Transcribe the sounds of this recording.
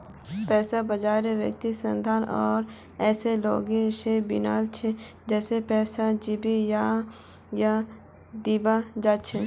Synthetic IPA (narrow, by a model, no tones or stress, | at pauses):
pɛːsabəd͡ʒaːɾeʋjə̰k̚t̪isə̃nd̪ʱaːnɔːɾ | ɛːselo̰ːɡeʃebɪ̰na̰ːlt͡ʃʰed͡ʒɛːsepɛːsad͡ʒɪbija | ja | d̪iːbad͡ʒaːt͡ʃʰe